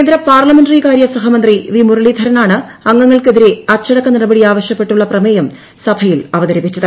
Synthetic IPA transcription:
end̪ɾɐpaːrlɐmenɖɐrikaːɾjɐsɐɦɐmɐnd̪riʋimurɐɭid̪ʱɐɾɐnaːɳɨɐŋːɐŋːɐɭkeðiɾeɐt͡ɕːɐɽɐkːɐnɐɽɐbɐɽiaːʋɐɕjɐpːe̞ʈːuɭːɐprɐmejɐm | sɐbʱɐjilɐʋɐðɐɾipːit͡ɕːɐðɨ

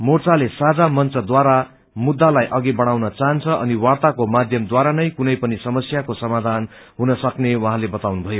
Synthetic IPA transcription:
mort͡salesad͡zamʌnt͡sʌd̪waɾa | mud̪ːalajʔʌɡibʌɽ̃awnʌt͡saɦʌnt͡sʰʌʔʌniwart̪akomad̪ʱjʌmd̪waɾanʌjkunʌjpʌnisʌmʌsjakosʌmad̪ʱan | ɦunʌsʌknewʌ̃ɦãlebʌt̪awnubʱʌjo

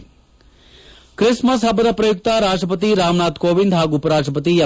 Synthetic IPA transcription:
kɾɪsməs̬ɦɐbəd̪ɐpɾɐjuk̚t̪aːɾaːʂʈɾəpət̪iɾaːmnaːt̪koːʋind̪ʱɦaːɡupɐɾaːʂʈɾəpət̪ijɐ

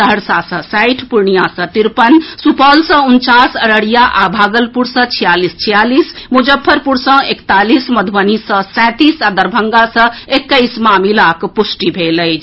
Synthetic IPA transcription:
d̪ʱəɽsasə̃sajʈʰpuɾɳijasə̃t̪iɾpənsupəlsə̃unt͡ʃasəɾəɽijaʔabʱaɡəlpuɾsə̃t͡ʃʰijalist͡ʃʰijalismud͡ʒəpʰːəɾpuɾsə̃ekt̪alisməd̪ʱwənisə̃sɛ̃t̪isad̪əɾbʱəŋɡasə̃ekːəjsmamilakpusʈibʱeləjt͡ʃʰ

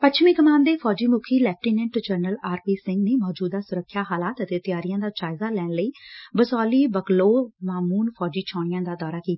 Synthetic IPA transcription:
pət͡ʃʰmĩːkəmaːnd̪eːfʰɔːd͡ʒiːmʊkʰiːlɛːp̚ʈiːnɛ̃ɳʈd͡ʒəɾnəlaːɾpiːsɪŋɡneːmɔːd͡ʒuːd̪aːsʊɾəkʰːjaːɦaːlaːt̪ət̪eːt̪ɪjaːɾɪjãːd̪aːt͡ʃaːjzaːlɛːɳləiːbəsɔːliːbəkloːmaːmuːnfʰɔːd͡ʒiːt͡ʃʰɔːɽ̃ɪjãːd̪aːd̪ɔːɾaːkiːt̪ḁː

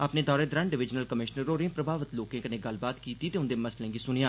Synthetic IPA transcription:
əpneːd̪ɔːɾeːd̪ɾə̃ɳɖɪʋɪd͡ʒnəlkəmɪʃnəɾoːɾẽpɾəbʱaːʋət̪loːkẽːkənẽːɡəlbaːt̪kiːt̪iːt̪eːʊ̃nd̪eːməslẽːɡiːsʊnijãː

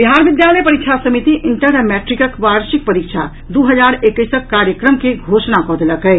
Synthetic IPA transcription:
biɦaɾbid̪jaləjpəɾikt͡ʃʰasəmit̪iʔiɳʈəɾəmɛʈɾikəkʋaɾsik̚pəɾikt͡ʃʰa | d̪uɦəd͡ʒaɾekəsəkːaɾjəkɾəmkeɡʱosnakɔːd̪eləkɛ

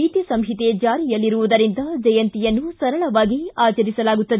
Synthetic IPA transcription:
iːt̪isɐmɦit̪ed͡ʒaːɾijɐlːiɾuʋud̪ɐɾind̪ɐd͡ʒɐjɐnt̪ijɐnːusɐɾɐɭɐʋaːɡiaːt͡ʃɐɾisɐlaːɡut̪ːɐd̪e

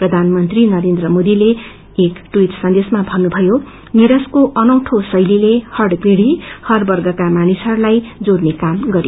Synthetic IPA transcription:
prʌd̪ʱanmʌnt̪rinʌɾend̪rʌmod̪ileː | kʈwiʈsʌnd̪esmabʱʌnːubʱʌjo | niɾʌskoʔʌnʌwʈʰosʌjlilehʌrɖkiɽihʌrbʌrɡʌkamanisɦʌɾulajd͡zornekamɡʌɾi

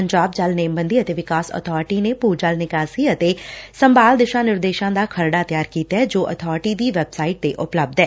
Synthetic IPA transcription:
əɲd͡ʒaːb̚d͡ʒalneːmbənd̪iːət̪eːʋɪkaːsə̰t̪ʰɔːɾʈiːneːpuːd͡ʒəlnɪkaːsiːət̪eːsəmbaːld̪ɪʃãːnɪɾd̪eːʃãːd̪aːkʰəɾɖaːt̪jaːɾkiːt̪aɛːd͡ʒoːʔə̰t̪ʰɔːɾʈiːd̪iːʋɛbsaːɪʈ̚t̪eʔʊpləb̚d̪ɛː

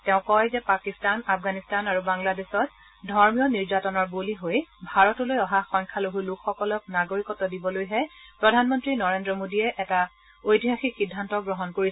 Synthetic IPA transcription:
tɛʊ̃kɔjzɛpakistanapʰɡanistanaɹubaŋladesɔt | dʱɔɹmiɔniɹzatɔnɔɹboliɦojbʱaɹɔtulojɔɦaxɔŋkʰaloɦulukʰxɔkɔlɔk̚naɡoɹikɔtːɔdibɔlojɦɛpɹɔdʱanmɔntɹinɔɹendɹɔmodiɛʔɛta | ojtiɦaxikxidʱːantɔɡɹɔɦɔnkoɹi

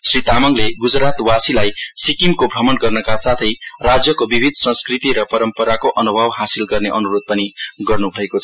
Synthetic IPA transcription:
srit̪amʌŋleɡud͡zɾat̪wasilajsikimkobʱɾʌmʌnɡʌrnʌkasat̪ʰʌjrad͡zjʌkobibʱid̪ʱsʌ̃nskrit̪iɾʌpʌɾʌmpʌɾakoʔʌnubʱʌbɦasilɡʌrneʔʌnuɾod̪̚pʌniɡʌrnubʱʌekoʌ

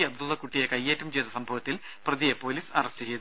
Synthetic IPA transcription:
iɐbd̪ulːɐkuʈːijekɐjːeːtːɐmt͡ɕejt̪ɐsɐmbʱɐʋɐt̪ːil | prɐðijepo̞ːliːsɐrɐstɨt͡ɕe̞jt̪ː

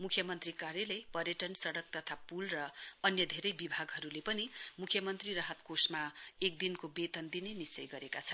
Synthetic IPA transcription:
mukʰjʌmʌnt̪rikaɾjʌlʌjpʌrjʌʈʌnsʌɽʌk̚t̪ʌt̪ʰapulrʌːnjʌd̪ʱeɾʌjbibʱaɡɦʌɾulepʌnimukʰːjʌmʌnt̪riɾʌɦʌt̪kosmaek̚d̪inkobet̪ʌnd̪inenist͡sʌjɡʌɾekat͡sʰʌnn

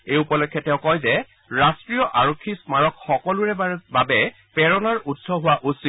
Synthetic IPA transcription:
ejupɔlɔkʰːjɔtɛʊ̃kɔjzɛ | ɹastɹijɔʔaɹokʰːismaɹɔkxɔkɔluɹɛbabɛ | pɛɹɔnɔɹudsɔɦʊwaʔusi

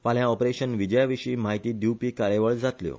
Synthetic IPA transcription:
paljãɔpɾeɕənʋid͡ʑəjaʋiɕiːmaɦit̪iːɖupiːkaɾeʋəɭd͡zat̪ljo̰

